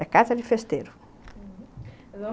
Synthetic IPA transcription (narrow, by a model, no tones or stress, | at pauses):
ɐkazɐd̪ɪfest̪eɾʊ